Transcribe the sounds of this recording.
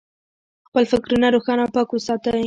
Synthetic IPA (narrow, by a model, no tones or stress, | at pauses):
xpəlfɪkɾunaɾoxɑnawpɑkwəsɑt̪ə